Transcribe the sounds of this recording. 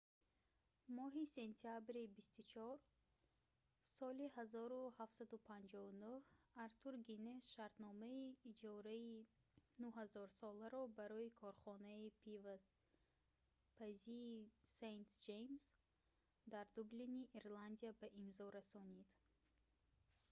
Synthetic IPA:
mɔɦise̞nt̪ʰiabɾibist̪ut͡ʃʰɔɾ | sɔlihazɔɾuhaft̪sad̪upʰand͡ʒɔunuhaɾt̪ʰuɾɡinesʃaɾt̪nɔmaiːd͡ʒɔɾai | nuɦazɔɾsɔlaɾɔbaɾɔikʰɔɾχɔnaipʰiva | pʰaziːsent̪d͡ʒejms | d̪aɾd̪ubliniʔiɾland̪iabaʔimzɔɾasɔnid̪

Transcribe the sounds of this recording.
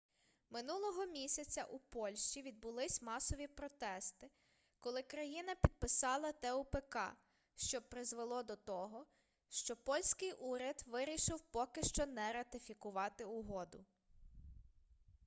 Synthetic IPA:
mɪnulˠɔɦɔmʲisʲɐt͡sʲɐʔupɔlʲʃt͡ʃiʋʲid̪̚bʊlˠɪsʲmɑsɔʋʲipɾɔt̪ɛst̪ɪ | kɔlˠɪkɾɐjinɐpʲid̪̚pɪsɑlˠɐt̪ɛʊpekɑ̰ | ʃt͡ʃɔpɾɪzʋelˠɔd̪ɔt̪ɔɦɔ | ʃt͡ʃɔpɔlʲsʲkɪjʔuɾʲɐd̪ʋɪɾʲiʃɪwpɔkɪʃt͡ʃɔnɛɾɐt̪ɪfʲikʊʋɑt̪ɪʊɦɔd̪ʊ

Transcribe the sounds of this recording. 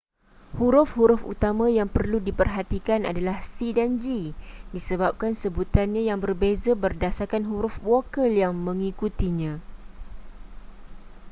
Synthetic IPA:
huɾʊfhuɾʊfṵt̪amãjaŋpərludipərɦat̪ikana̰dalahsidand͡ʒidisəbap̚kansəbut̪anɲãjaŋbərbezabərdasakanɦuɾʊfwokəljaŋmə̃ŋikut̪iɲã

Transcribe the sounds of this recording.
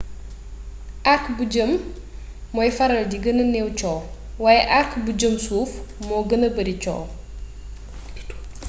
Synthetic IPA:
ʔɐkbuɟəmː | ɔjfɐɾɐldiɡɐnɐnɛwt͡ʃɔːw | waːjɛʔɐkbud͡ʒəmsuːfmɔɡɐnəbɐɾit͡ʃɔ̰ːw

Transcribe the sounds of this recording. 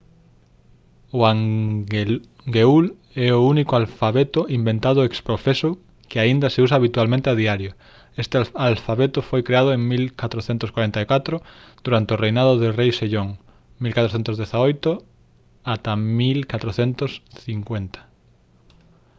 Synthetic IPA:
ʊaŋ | ɡeul | ɛounikoalfaβet̪ʊʔimbẽnt̪aðʊekspɾofeso | kɪaind̪ɐseusaːβ̞it̪ualmẽnt̪eaðiaɾjo | est̪ealfaβet̪ʊfojkɾeað̞oeŋmilkat̪ɾoθent̪ʊskwaɾent̪aikat̪ɾʊd̪̥uɾant̪eorejnaðʊðerejʃeʎoŋ | milkat̪ɾoθent̪ozðeθaojt̪ʊ | at̪amilkat̪ɾoθent̪osθiŋkwent̪ɐ̥

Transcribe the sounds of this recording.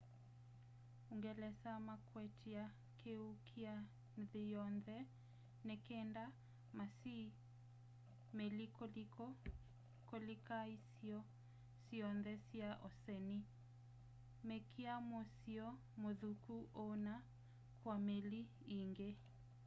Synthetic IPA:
uŋɡɛlɛsamakwɛtʰia | kʰeukʰia | nðijɔnðɛ | nɛkɛnda | masi | melikʰolikɔ | kolikaisiɔ | siɔnðɛsiaʔɔsɛni | mɛkʰiamosiɔ | moðukuʔɔna | kwameli | iŋɡe

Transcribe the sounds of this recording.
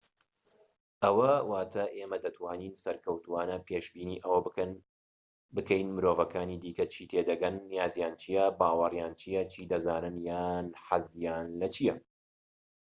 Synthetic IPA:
ʔɐwɐwaːt̪ʰɐʔeːmɐd̪ɐt̪ʰwaːniːnsɐɾkʰɐwt̪uwaːnɐpʰeːʃbiːniːʔɐwɐbɨkɐn | bɨkɐjnmɨɾoːvɐkʰaːniːd̪iːkɐt͡ʃʰiːt̪ʰeːd̪ɐɡɐnːijaːzjaːnt͡ʃʰijɐbaːwɐrjaːnt͡ʃʰijɐt͡ʃʰiːd̪ɐzaːnɨnjaːnħazjaːnlɐt͡ʃʰijɐ

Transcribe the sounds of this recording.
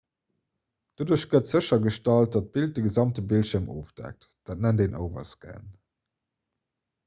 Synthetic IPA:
d̥oduːɐɕɡətz̥əɕɐɡəʃtɑlt̚d̥ɑt̚b̥ilt̚dəɡəzɑmtəbilʃiəɐmoːfd̥æ̰k̚t | d̥æːt̚nændenʔə̰ʊvɐ̰sɡæ̰n

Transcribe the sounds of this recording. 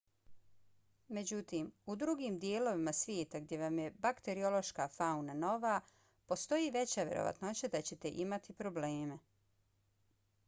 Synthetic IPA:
me̞d͡ʑut̪iːmud̪ɾuɡiːmd̪ije̞ːlo̞ʋimasʋjeːt̪aɡd̪je̞ʋamje̞bakt̪e̞ɾio̞lo̞ʃkaːfaunano̞ʋaː | po̞st̪o̞jiːʋe̞t͡ɕaʋjeɾo̰ʋa̰t̪not͡ɕad̪at͡ɕe̞t̪e̞ʔimat̪ipɾo̞ble̞ːme

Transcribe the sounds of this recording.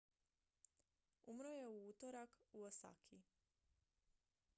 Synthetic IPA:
umɾoje̞uut̪oɾakuosa̰kʰi

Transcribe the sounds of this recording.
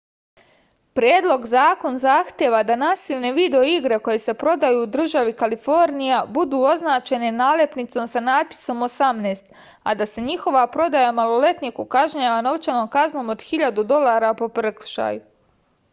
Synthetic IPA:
pɾjeːd̪lˠo̞ɡzaːko̞nzaːxt̪je̞ʋad̪anaːsiʋne̞ʋiːd̪eoiɡɾe̞ko̞jese̞pɾo̞d̪ajuːd̪r̩ʒaʋikalifo̞ɾnijabud̪uːo̞znaːt͡ʃe̞ne̞naːlepnit̪so̞msanaːd̪̚pi̥so̞mosamneːst̪ | a̰d̪ase̞ɲixo̞ʋapɾo̞d̪ajamalˠo̞le̞t̪nikukaʒɲaʋano̞ʋt͡ʃano̞ːmkazno̞ːmod̪xiʎad̪ud̪o̞lˠaːɾapo̞prkʃa̰ːju

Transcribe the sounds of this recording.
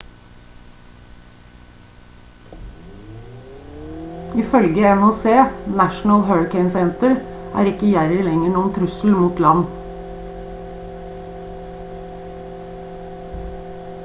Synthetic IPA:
ɪfœlɡəɛmhoːseːnæʃn̩əlhøːɹɪkʰɛɪnsɛnt̪əɾʔæ̰ːɾɪkəjæɾəlɛŋəɳuːənt̪ʰɾʉsl̩muːt̪lɑn

